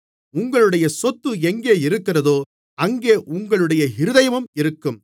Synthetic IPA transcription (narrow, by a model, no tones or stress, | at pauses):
ʊŋɡɐɭɯɽɐjɐsɔt̪ːɯɛŋɡeːɪɾɯkːɪrɐðoː | ɐŋɡeːʔʊŋɡɐɭɯɽɐjɐɦɪɾɯðɐjɐmɯmɪɾɯkːɯm